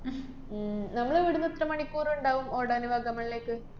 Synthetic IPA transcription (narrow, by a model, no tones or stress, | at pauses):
nɐmːɐɭeʋiɽunːɐt̪rɐmɐɳikːuːruɳɖaːʋumoːɽɐniʋaːɡɐmːɐɭileːkːɨ